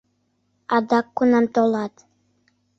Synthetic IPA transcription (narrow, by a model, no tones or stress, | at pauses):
ɑd̪ɑkːunɑmt̪olˠɑt̪